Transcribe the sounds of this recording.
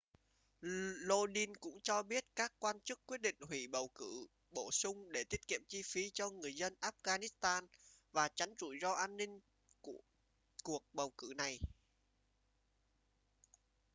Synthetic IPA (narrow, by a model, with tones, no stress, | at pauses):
lo˧ɗi˧nkʊ̰˧˥ŋ͡mt͡ɕɔ˧ɓi˦˥ət̚kaː˦˥kːwaː˧nt͡ɕɨ˦˥kːwi˦˥t̚ɗḭ˧˨ŋ̟ɦwi˧˩ɓə˨˩wkɨ̰˧˩˨ | ɓo˧˩sʊ˧ŋ͡mɗe˧˩t̪i˦˥ət̚kḭ˧˨əmt͡ɕi˧fi˨˦t͡ɕɔ˧ŋɨ˨˩əjzə˧nʔaː˦˥p̚ɣaː˧ni˦˥st̪aː˧nvaː˨˩t͡ɕa˨˦jŋ̟t͡ɕu˧˨˩jzɔ˧ʔaː˧nːï˧ŋ̟ | ku˧˩ə | ku˨˩ək̚ɓə˨˩wkɨ̰˧˨na˨˩j